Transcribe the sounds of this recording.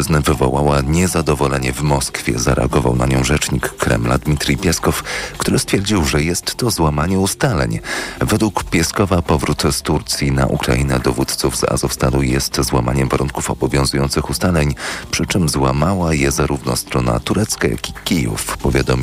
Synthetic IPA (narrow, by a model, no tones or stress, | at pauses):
znɛvɘvɔ̰wawaɲɛzad̪ɔvɔlɛɲɛvmɔskfʲjɛ̰zaɾʔɛ̰aɡɔva̰wnaɲɔ̃w̃ʐɛt͡ʂɲikːɾɛ̰mla̰d̪mʲit̪ɾipʲjɛskɔfkt̪uɾɘst̪fʲjɛɾd͡ʑiwʐɛjɛst̪ːɔzwamaɲɛust̪alɛ̰ɲvɛd̪wukpʲjɛskɔvapɔvɾut̪st̪uɾt̪sʲjina̰ʔukɾa̰inɛd̪ɔvut̪t̪suvza̰zɔfst̪ad̪ujɛst̪zwamaɲɛmvaɾuŋkufɔbɔvʲjɔ̃zujɔnt̪sɘxust̪alɛɲpʂɘt͡ʂɘmzwamawajɛzaɾuvnɔst̪ɾɔna̰t̪uɾɛt̪skaja̰kʲikʲijṵfpɔvʲjad̪ɔmʲ